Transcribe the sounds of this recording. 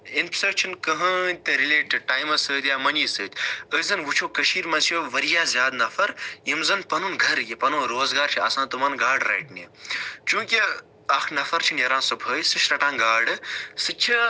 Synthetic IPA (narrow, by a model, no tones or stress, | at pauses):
inpsɐk̚t͡ʃʰinkɐɦənʲt̪ɐɾileːʈʰiʈaːjmɐsəːt̪jaːmɐnisəːt̪ʲəzɐnʋut͡ʃʰoːkɐʃiːɾmɐsʰjoʋɐɾijaːzʲjaːd̪nɐfʰɐɾjimzɐnpɐnunɡʱɐɾjipɐnunɾoːzɡaːɾt͡ʃʰiɐsãːt̪umɐnɡaːɖɾɐ̰ːʈnḭt͡ʃũːkʲi | ɐkʰnɐfɐɾt͡ʃʰinjɐɾãːsupʰəːjsɨʃɾɐʈãːnɡaːɖsɨt͡ʃʰi